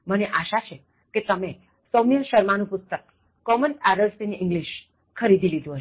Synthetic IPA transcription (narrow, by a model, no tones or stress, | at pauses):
məneʔaʃat͡ʃʰe | ket̪əme | sonijəʃəɾmanũpʊst̪əkː | ɔmənæɾəlsiniɪŋɡliʃ | kʰəɾid̪ʱilid̪ũɦəʃ